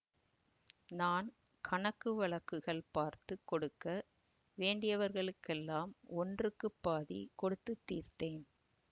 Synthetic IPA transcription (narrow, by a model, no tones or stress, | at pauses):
naːn | kʰɐɳɐkːɯʋɐɭɐkːɯɣɐɭpaːɾt̪ɯkːɔɽɯkːɐ | ʋeːɳɖɪjɐʋɐɾɣɐɭɯkːɛlːaːmɔndrɯkːɯpːaːðḭkɔɽɯt̪ːɯt̪ːḭːrt̪eːn